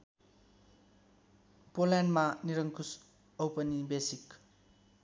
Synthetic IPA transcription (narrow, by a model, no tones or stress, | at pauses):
polɛnmaniɾɐŋkʰus | ɐwpɐnibesik